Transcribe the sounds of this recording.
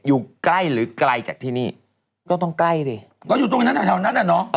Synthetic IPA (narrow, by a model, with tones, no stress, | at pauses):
juː˨˩kla˧˩jlɯː˨˩˦kla˧jt͡ɕaː˨˩iː˥˩niː˥˩ | kɔː˧˩t̪ɔ˥˩ŋkla˧˩jɾi˨˩ | kɔ˨˦juː˨˩t̪u˧˨na˦˥a˨˩aː˨˩˨na˦˥t̪aː˨˩nɔ˨˦